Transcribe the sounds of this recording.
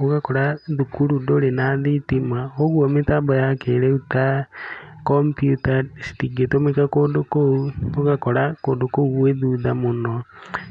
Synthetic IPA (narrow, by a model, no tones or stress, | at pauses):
oɣakoɾaðukuludolenaðitimwaoɣuomitabojakeleuta | kompjutasi̥tiɡetomikakodokooɣakoɾakodokoɣueðuðamuno